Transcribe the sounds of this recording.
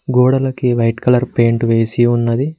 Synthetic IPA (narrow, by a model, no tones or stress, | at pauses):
ɡoːɽɐlɐkiʋɐjʈkɐlɐɾpeːɳʈʋe̞ːsiunːɐd̪i